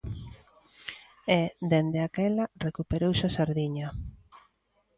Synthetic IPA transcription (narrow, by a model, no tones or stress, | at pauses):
ed̪end̪eakɛlɐrekupeɾowsasaɾðiɲɐ